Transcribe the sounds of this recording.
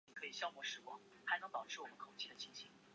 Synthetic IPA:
i˨˩kʰɤ˧˥i˨˩ɕjɑ˥˧ʊmwɔ˥˩ʂɻ̩˥kwɑ̰˥ŋ | xa˧˥ɪnɤ˧˥ŋpɑ˨˩ʊʈ͡ʂʰɻ̩˥˩wɔ˨˩mə˦kʰo˨˩ʊt͡ɕʰi˥d̪ə˨t͡ɕʰi˥ŋɕʰi˧˥˦ŋ

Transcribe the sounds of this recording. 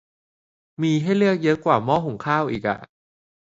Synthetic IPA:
miː˧ɦa˥˩jlɯ˥˩ək̚jɤ˦˥kwaː˨˩mɔː˥˩ɦu˨˩˦ŋkʰaː˥˩wʔiː˨˩k̚ʔa̰˨˩ʔ

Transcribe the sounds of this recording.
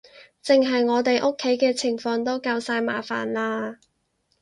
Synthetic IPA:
t͡sɪ˨ŋɦɐ˨jŋɔː˨˧t̪e˨jʔʊ˥kʰːe˨˥jkɛː˧t͡sʰɪ˨˩ŋfɔː˧ŋt̪̬o˥wkaː˧wsaː˧jma̰ː˨˩fa̰ː˨˩nlaː˧

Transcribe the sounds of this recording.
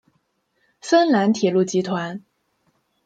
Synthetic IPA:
sə˥nla˧˥nt̪ʰjɛ˨˩lu˥˩t͡ɕi˧˥t̪ʰwa˧˥n

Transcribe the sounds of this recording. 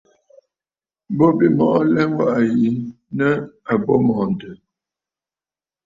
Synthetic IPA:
bɔ˦bi˨mɔ˨ʔɔ˦lɛ˦ŋ˦wa˦˨ʔa˨ji˨˦n | nə˦a˨bɔ˦mɔː˨n˨tə˨

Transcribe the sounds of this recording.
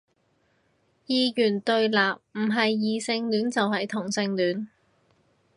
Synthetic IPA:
jiː˧jyː˨˩nt̪ɵ˧ɥlaː˨p̚m̩˨˩ɦɐ˨jːiː˨˧sɪ˧ŋlyː˨˥nt͡sɐ˨wɦɐ˨jt̪ʰʊ˨˩ŋsɪ˧ŋlyː˨˥n

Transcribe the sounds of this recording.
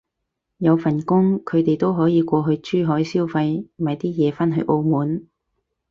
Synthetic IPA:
jɐ˨˧wfɐ˨˩nkʊ˥ŋkʰɵ˨˧t̪e˨jt̪o˥wɦɔː˨˥jiː˨˧kʷɔː˧ɦɵ˧ɥt͡ʃyː˥ɦɔː˨˥jsiː˥wfɐ˧jmɐ˨jt̪iː˥jɛː˨˧faː˥nɦɵ˧ɥʔo˧wmuː˨˥n

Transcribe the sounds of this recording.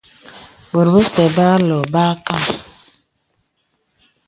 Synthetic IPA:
bo˨ɾbə˦sɛ˨ba˦lɔ˨ba˦ka˦˨

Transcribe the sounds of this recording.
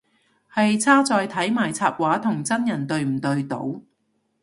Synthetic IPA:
hɐ˨jt͡sʰaː˥t͡sɔː˧jt̪ʰɐ˨˥jmaː˨˩jt͡sʰaː˧p̚waː˨˥t̪ʰʊ˨˩ŋt͡sɐ˥njɐ˨˩nt̪ɵ˧ɥm̩˨˩t̪ɵ˧ɥt̪o̰˨˥w

